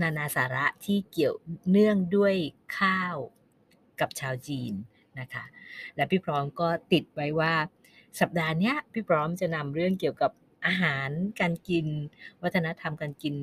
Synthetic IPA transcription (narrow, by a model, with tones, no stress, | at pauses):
naː˧naː˧saː˩˦ɾa˦˥ʔt̪ʰiː˥˩ki˨˩əwnɯ˥˩əŋdu˥˩əjkʰaː˥˩w | ka˨˩p̚t͡ɕʰaː˧wt͡ɕiː˧nː | a˦˥kʰa˦˥lɛː˦˥wpʰiː˥˩pʰɾɔː˦˥mkɔː˥˩t̪i˨˩t̪̚wa˦˥jwaː˥˩ | sa˨˩p̚daː˧ni˦˥ɐpʰiː˥˩pʰɾɔː˦˥mt͡ɕa˨˩na˧mɾɯ˥˩əŋki˨˩əwka˨˩p̚ | ʔaː˧ɦaː˩˦nkaː˧nki˧nwa˦˥t̪ʰːa˧na˦˥t̪ʰa˧mkaː˧nki˧n